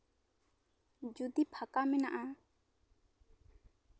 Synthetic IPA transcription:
d͡ʒud̪ipʰakamɛna̰ʔa

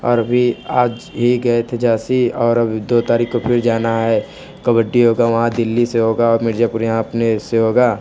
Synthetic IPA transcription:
ɔːɾɐbʱiaːd͡ʒ | ɦiɡɐet̪ʰed͡ʒaːsiɔːɾɐbʱd̪oːt̪aːɾiːkkopʰɪɾd͡ʒaːnaɦɛ | kɐbəɖːiɦoːɡaʋɐɦãd̪ɪlːiseɦoːɡaɔːɾmɪɾd͡ʒapʊɾjɐɦãɐpneseɦoːɡaː

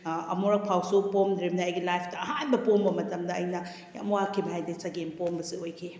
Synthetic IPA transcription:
ɐ̰muɾɐk̚pʰawsupomdɾimnɐɐjɡilajpʰtɐɐɦanbɐpombɐmɐtɐmdɐɐjnɐ | ja̰mwakʰːibɦajdisɐɡenpombɐsiojkʰi

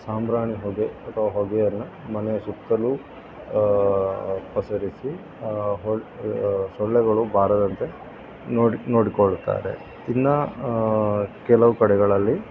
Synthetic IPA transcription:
saːmɾaːɳiɦoɡeɐt̪ʰːɐʋaɦoɡɛjɐnːumɐnesukt̪ɐlu | pɐsɐɾisi | ɦo | sɔɭːɛɡɐɭubʱaːɾɐd̪ɐnt̪e | nːino̞ːɽikoɭt̪ːa̰ːɾḛ | t̪inːɐ | kɛlɐʋukɐɽɛɡɐɭɐlːi

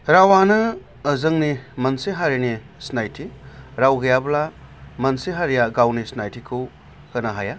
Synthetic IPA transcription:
ɾawanɐː | zɐŋnimɐnseɦaɾini | snajtʰiɾawɡɐjablamɐnseɦaɾijaɡawnisnajtikʰu | kɐnaɦaja

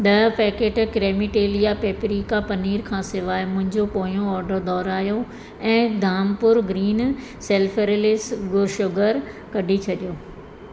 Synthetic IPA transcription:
ɗ̪ɐpɛːkeːʈkɾeːmiʈeːlijapeːpɾiːkapɐniːɾkʰãːsɪʋaːɪmʊ̃ɦɪ̃ɲd͡ʑopoːijõɔːɾɖəɾd̪ɔːɾaːjo | ɛ̃ːd̪ʱaːmpʊɾɡɾiːn | seːlfʰəɾlɪsɡʊɾʃʊɡəɾ | kɐɖʱit͡ɕʰɐɗijoː

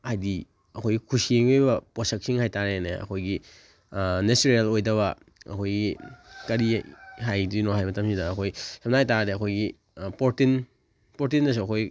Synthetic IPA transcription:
hajdi | ɐkʰojɡikʰusieŋejbɐposɐk̚siŋhajtaɾeneɐ̰kʰojɡi | nestɾialojdɐβɐ | ɐ̰kʰojɡikɐɾiɦajduinoɦajmɐtɐmsidɐːkʰojsʰɐm̚najtadeɐkʰojɡi | poɾtin | poɾtindɐs̬uɐkʰoj

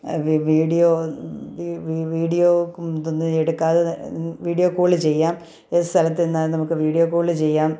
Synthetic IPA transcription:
ʋʋiːɽijoːʋiʋiʋiːɽijoːk̪ːonːɨeɽukːaːðeʋiːɽijo̞ːkuːɭɨt͡ɕe̞jːaːm | est̪ʰɐlɐt̪ːenːaːlnɐmukːɨʋiːɽijo̞ːkuːɭɨt͡ɕe̞jːaːm

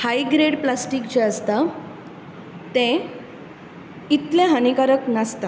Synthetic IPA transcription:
haiɡɾeɽplasʈikd͡ʑeəst̪a | t̪ẽ | it̪lẽɦanikaɾəknast̪a

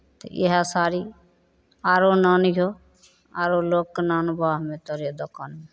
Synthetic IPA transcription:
t̪ə̰ʔḭɦasaːɾiː | aːɾonanɦo | a̰ːɾoːloːknaːnbaːɦmẽt̪ɔɾed̪ɔkaːnme

